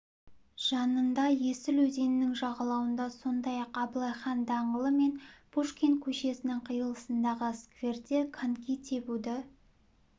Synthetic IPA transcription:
ʒ̥ɑnənd̪ɑjesɪlwɵze̞nɪnɪŋʒɑʁɑlˠɑwənd̪ɑso̞nd̪ɑjɑqɑblˠɑjχɑnd̪ɑɴəlˠəme̞nb̥uʃkʲe̞nt̪̚kʲʰɵʃe̞sɪnɪŋqʰəjəlˠəsənd̪ɑʁəskvʲe̞rt̪ʲekʰankʲit̪ʰe̞bud̪ɪ

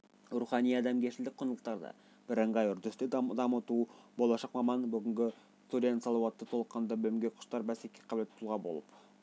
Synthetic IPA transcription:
ruχɑnijɑd̪ɑmkʲʰeʃɪld̪ɪk̚ʲqʰːojnəlˠəqt̪ɑɾd̪ɑ̰ | b̥ɪɾəɴʁɑjʏɾd̪ʏst̪ed̪ɑmət̪ubo̞lˠɑʃɑqmɑmɑnbʏɡʲɪŋɡʲɪ | st̪ud̪ʲensɑlˠɑwɑt̪ːət̪ʰo̞lˠəqɑnd̪ɑbɵɪmɡʲeqʰʊ̥ʃt̪ɑɾbæsekʲːeqʰɑblet̪̚p̪ʰulˠʁɑbo̞̰lˠəp

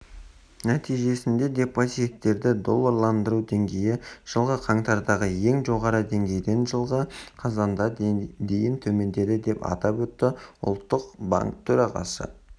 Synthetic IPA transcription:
næt̪ijʒe̞sɪnd̪e̞d̪e̞pʰːosijet̪ːe̞ɾd̪ɪd̪o̞lˠːəɾlˠɑnd̪əɾud̪e̞ŋɡʲe̞jɪʒ̥əlˠʁəqʰɑɴt̪ɑɾd̪ɑʁəje̞ŋʒo̞ʁɑɾəd̪e̞ŋɡʲe̞jd̪e̞nʒəlˠʁəqʰɑzɑnd̪ɑd̪e̞jɪnt̪ʰɵme̞nd̪e̞d̪ɪd̪e̞pɑ̰t̪ɑpwɵt̪ːɪʊ̰lˠt̪ːəqba̰ŋkt̪ʰːɵɾɑʁɑ̰sə̰

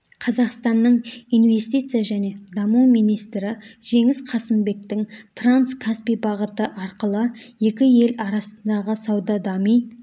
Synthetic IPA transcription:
qʰɑzɑqst̪ɑnːəɴijnve̞st̪ijt̪sɨjaʒæne̞d̪ɑmumijnijst̪ɾɪʒ̥e̞ŋɪzqʰɑsɪmbe̞k̚t̪ɪŋt̪ranskʰaspijbɑʁət̪əʔɑɾqəlˠəje̞kʲɪje̞lɑɾɑsənd̪ɑʁəsɑwd̪ɑd̪ɑmij

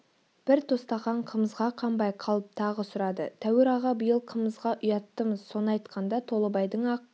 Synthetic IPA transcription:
b̥ɪɾt̪ʰost̪ɑʁɑɴqʰəməzʁɑqʰɑmbɑjqʰɑlˠəp̚t̪ʰɑʁəsʊɾɑd̪ət̪ʰæwɪɾɑʁɑbəjəlˠqʰəməzʁɑʔʊjɑt̪ːəməzso̞nəɑjt̪qʰɑnd̪ɑt̪ʰo̞lˠəbɑjd̪əɴɑ

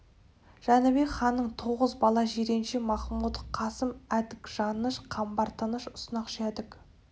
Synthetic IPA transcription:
ʒ̥ɑnɪbeχɑnːəɴt̪ʰo̞ʁəzbɑlˠɑʒeɾe̞nʃemɑχmut̪qʰɑsəmæd̪ɪkʒ̥ɑnəʃqʰɑmbɑɾt̪ɑnəʃʊ̥sənɑqʃæd̪ɪk

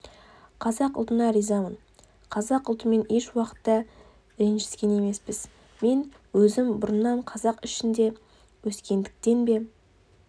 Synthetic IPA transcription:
qʰɑzɑqʊ̰lˠt̪ənɑɾijzɑmən | qʰɑzɑqʊlˠt̪əme̞ne̞ʃwɑqə̥t̪ːɑ | ɪɾnʃɪ̥skʲe̞ne̞me̞spɪz | me̞n | wɵzɪmbʊɾənːɑɴqʰɑzɑqɪʃɪnd̪e̞ | wɵskʲe̞nd̪ɪk̚t̪e̞nbe̞

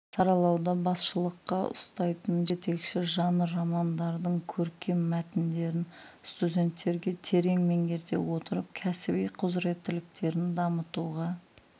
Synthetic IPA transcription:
sɑɾɑlˠɑwd̪ɑbɑsʃəlˠəqːɑʊ̰st̪ɑjt̪ənʒe̞t̪e̞kʃɪʒɑnəɾɑmɑnd̪ɑɾd̪əɴkʲʰɵɾkʲe̞mːæt̪ɪnd̪e̞ɾɪn | st̪ud̪ʲe̞nt̪ːe̞ɾɡʲe̞t̪ʰe̞ɾe̞ŋme̞ŋɡʲe̞ɾd̪e̞̰wo̞t̪əɾəp̚kʲʰæsɪbijqʰʊzɾe̞t̪ːɪlɪk̚t̪e̞ɾɪnd̪ɑmət̪uʁɑ

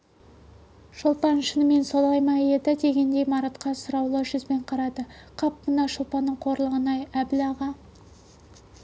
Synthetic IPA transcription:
ʃʊlˠpɑnʃənəme̞nso̞lˠɑjmɑje̞d̪ɪd̪e̞ɡʲe̞nd̪e̞jmɑɾɑt̪qɑsʊɾɑwlˠəʒʏzbe̞ɴqʰɑɾɑd̪əqʰɑpmənɑʃəlˠpɑnːəɴqʰo̞ɾlˠəʁənɑjæblɑʁɑ

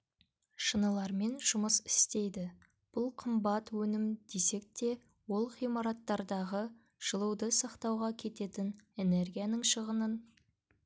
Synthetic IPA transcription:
ʃənəlˠɑɾme̞nʒ̥ʊməsɪ̥st̪e̞jd̪ɪ | b̥ʊlˠqʰəmbɑt̪wɵnɪmd̪̥e̞se̞k̚t̪e̞ | wo̞lˠχijmɑɾɑt̪ːɑɾd̪ɑʁə | ʒ̥əlˠəwd̪əsɑqt̪ɑwʁɑkʲʰe̞t̪e̞t̪ɪne̞ne̞ɾɡʲijanəɴʃəʁənən

